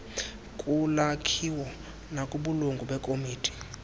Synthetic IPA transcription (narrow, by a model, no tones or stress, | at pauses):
kʼulakʰiwɔ | nakʼuɓuluŋɡʱuɓɛkʼomiːtʰi̥